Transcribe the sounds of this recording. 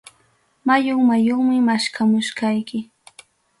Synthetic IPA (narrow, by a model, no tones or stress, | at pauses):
majoŋmajoχmɪmaʃkamʊʃkɑjkɪ